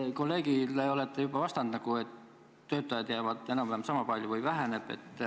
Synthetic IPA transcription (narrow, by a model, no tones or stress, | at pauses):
ko̞lːe̞ːɡileo̞le̞t̪ːˑejubɑvɑst̪ɑnd̪̥nɑɡ̥ue̞t̪ː | ø̞ːt̪ːˑɑjɑd̪̥jæːvɑd̪̥e̞nɑmpæmsɑmɑpɑlʲjuvɯjvæɦæne̞b̥e̞̰t̪ːˑ